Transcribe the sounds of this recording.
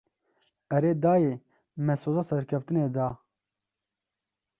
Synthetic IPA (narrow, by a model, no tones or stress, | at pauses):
ɛɾeːd̪aːje | mɛsoːzasɛɾkʰɛft̪ɨneːd̪a